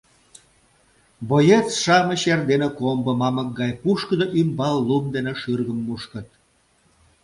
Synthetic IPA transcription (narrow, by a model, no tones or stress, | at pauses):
bojet͡sʃɑmə̆ɕerd̪enekombəmɑmək̚ɡɑjpuʃkəd̪oʔymbɑlːumd̪eneʃyrɣəmːuʃkə̆t̪̚